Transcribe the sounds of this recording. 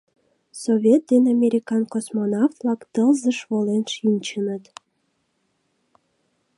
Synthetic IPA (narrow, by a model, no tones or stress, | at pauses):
soβʲet̪̚d̪enɑmʲeɾʲikɑnkosmonɑft̪lɑkt̪əlzəʃβolenʃinʲt͡ɕənət̪